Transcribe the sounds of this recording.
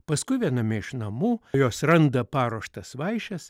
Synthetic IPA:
pɐskʊɪʋʲiɛnɐmʲɪɪʃnɐmuːjoːsɾɐnd̪ɐpɑːɾoɔʃt̪ɐsʋɐɪʃʲɛs

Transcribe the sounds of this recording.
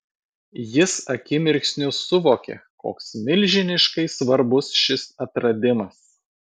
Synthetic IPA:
jɪsɐkʲɪmʲɪɾʲksʲnʲʊsʊʋoːkʲḛko̰ːksmʲɪlʲʒʲɪnʲɪʃkɐɪsʋɐɾbʊsʃʲɪsɐt̪ɾɐd̪ʲɪmɐs

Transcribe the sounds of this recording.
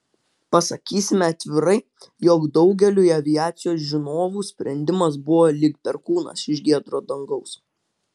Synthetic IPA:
pɐsɐkʲiːsʲɪmʲɛɐt̪ʲʋʲɪɾɐɪ | joːɡd̪ɒʊɡʲɛlʲuːiɐʋʲɪjæːt̪sʲɪjoːs̬ʒʲɪnoːʋuːsʲpʲɾʲɛnʲd̪ʲɪmɐs̬bʊʋoːlʲiɪkt̪ʲɛɾkuːnɐ̰sɪʃʲɡʲiɛd̪ɾoːd̪ɐŋɡɐʊs

